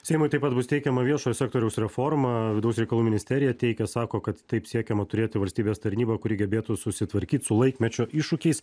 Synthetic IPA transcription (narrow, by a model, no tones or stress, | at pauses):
sʲɛɪmʊɪt̪ɐɪpɐt̪̚bʊst̪ʲɛɪkʲɛmɐʋʲiɛʃoːjosʲæːkt̪oːɾʲɛʊsɾʲɛfoːrmɐʋʲɪd̪ɐʊsɾʲɛɪkɐlˠuːmʲɪnʲɪsʲt̪ʲɛɾʲɪjɛt̪ʲɛɪkʲɛsɑːkoːkɐt̪t̪ɐɪpsʲiɛkʲɛmɐt̪ʊɾʲeːt̪ʲɪʋɐlʲsʲt̪ʲiːbʲeːst̪ɐɾʲnʲiːbɐkʊɾʲɪɡʲɛbʲeːt̪ʊsʊsʲɪt̪ʋɐɾʲkʲiːt̪sʊlˠɐɪkmʲɛt͡ʃʲoːʔɪʃʊkʲɛɪs